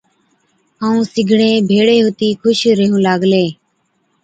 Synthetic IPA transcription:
ɦaːũːsɪɡʱɳẽːbʱeːɽeːɦot̪iːkʰʊʃɾəɦũːlaːɡleː

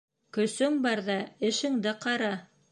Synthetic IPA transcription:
kɵ̆sɵŋbɑɾðɑɘ̆ʃɘ̆ŋd̪ɘqɑɾɑ

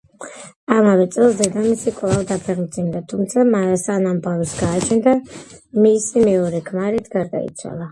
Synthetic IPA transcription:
amavɛt̪sʼɛlˠzɛd̪amisikʼlˠavd̪apʰɛɾmt̪sʰind̪at̪ʰumt̪sʰamasanambavisɡaːt͡ʃʰɛnd̪amisimɛɔɾɛkʰmaɾit̪ʰɡaɾd̪a̰ḭt̪sʰwa̰lˠa

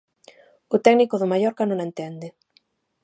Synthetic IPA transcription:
ʊt̪ɛɡnikʊðʊmajɔɾkanõŋent̪ɛnd̪ɪ

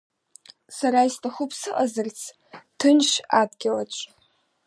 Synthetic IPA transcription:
saɾaistʰaχʊpʰsɨʔʼazɨrt͡sʰ | tʰɨnʃadɡʲalat͡ʃʷʼ

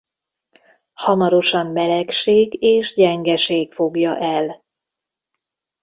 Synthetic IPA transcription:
hɒmɒɾo̞ʃɒmːɛlɛkʃeːɡeːʃɟɛŋɡɛʃeːkfo̞ɡjɒʔɛl

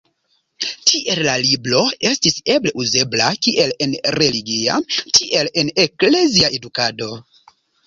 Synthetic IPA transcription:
tʰiʔe̞llaliblo̞e̞stise̞ble̞ʔuze̞blakiʔe̞le̞nɾe̞liɡia̰tʰiʔe̞le̞ne̞kle̞ziae̞dukado̞

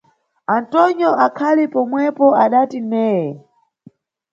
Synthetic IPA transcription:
antɔɲjɔʔakʰalipɔmwɛpɔaɗatimɛːjɛ

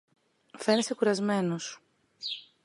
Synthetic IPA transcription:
fe̞nesekuɾɐzme̞nos

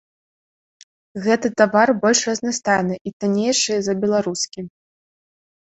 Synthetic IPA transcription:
ɣɛt̪ɨt̪avarbɔlʲʂrɐznast̪ajnɨʔit̪anʲejʂɨjɛzɐbʲɛlˠaɾuskʲim

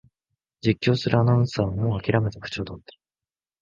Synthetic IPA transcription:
d͡ʑikʲːo̞ːsɨɾɯ̟anãsaːβmoːakʲiɾame̞t̪eɸɯ̟̥t͡ɕoːd̪ot̪ːe

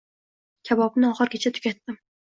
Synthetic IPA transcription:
kʲʰabɒbnɪɒχɨɾɡʲat͡ʃʰat̪ʰʊ̥kʲat̪ːɪm

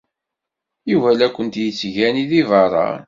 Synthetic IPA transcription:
juvælækʷːənt̪jət͡sːʝæniðivɑɾˤɑ̰ɾ

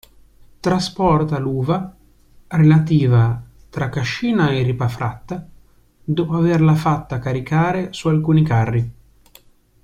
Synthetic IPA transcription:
t̪ɾaspɔrt̪aluːva | relat̪iːva | t̪ɾakːaʃːiːnaeripafɾat̪ːa | d̪ɔːpoaverlafat̪ːakaɾikaːɾesualkuːnikarːi

